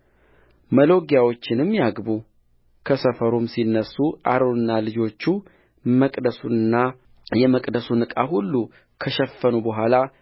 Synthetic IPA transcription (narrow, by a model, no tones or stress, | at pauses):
məlo̞ɡjawo̞t͡ʃːɪnɨmːjaɡbu | kʰəsəfəɾomsinːəsːuʔa̰ɾonɨnːalɨd͡ʒo̞t͡ʃːu | məkʼd̪əsuɨnːa | jɛməkʼd̪əsunɨkʼa̰ɦulːu | kʰəʃɛfːənubəɦʷala